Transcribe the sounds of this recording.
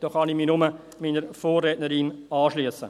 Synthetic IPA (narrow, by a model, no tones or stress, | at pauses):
d̥oːχɑniminʊmə | miːnəɾfoːrːɛːtnəɾinɑːʃliəsːə